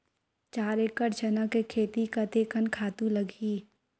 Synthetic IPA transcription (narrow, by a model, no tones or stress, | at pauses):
t͡ʃaːɾekəʈd͡ʒɐnakekʰeːt̪ikat̪eːkənkʰaːt̪ũlɐɡʱiː